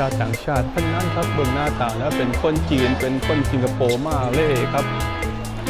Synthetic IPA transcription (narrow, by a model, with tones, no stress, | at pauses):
aː˥˩t̪ːaː˨˩˦ŋt͡ɕʰaː˥˩t̪̚ʰːa˥˩ŋna˦˥nkʰa˦˥p̚bɤ˧ŋnaː˥˩t̪aː˨˩lɛː˦˥wpe˧nkʰo˥˩nt͡ɕiː˧npe˧nkʰo˥˩nsi˨˧ŋkʰa˧poː˧maː˥˩leː˦˥ʔeː˧˩kʰa˦˥p̚